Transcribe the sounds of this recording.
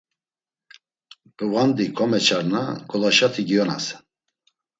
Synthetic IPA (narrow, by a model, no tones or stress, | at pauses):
b̥əvand̪ikʰɔmɛt͡ʃʰaɾna̰ɡʰɔlaʃat̪ʰiɡijɔna̰s